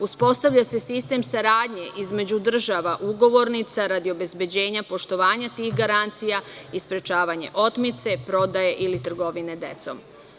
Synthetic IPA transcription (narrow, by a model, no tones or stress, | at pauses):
uspo̞st̪aʋʎase̞sist̪e̞msaɾaːd̪ɲe̞ʔizme̞d͡ʑud̪r̩ʒaʋaʔuɡo̞ʋo̞ɾnit̪saɾad̪io̞be̞zbe̞d͡ʑe̞ːɲapo̞ʃt̪o̞ʋaːɲat̪iɣɡaɾant̪sijaispɾe̞t͡ʃaːʋaɲe̞̰ʔo̞t̪mit̪se̞pɾo̞d̪aje̞ʔilit̪r̩ɡo̞ʋine̞d̪e̞̰t̪so̰m